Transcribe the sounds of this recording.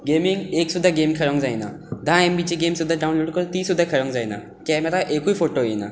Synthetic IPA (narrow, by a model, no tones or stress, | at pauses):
ɡemiŋɡeksud̪ʱːaɡemkʰəɾə̃ŋkd͡zajna | d̪ʱãembit͡ɕiɡemsud̪ʱːaɖaunloːɽkəɾt̪isud̪ʱːakʰəɾəŋkd͡zajna̰ | kɛ̃mat̪aʔekuifoʈoena̰